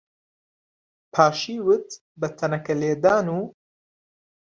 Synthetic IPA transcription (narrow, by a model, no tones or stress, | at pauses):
pʰaːʃiːwɨt̪ | bɐt̪ʰɐnɐkɐleːd̪aːnuː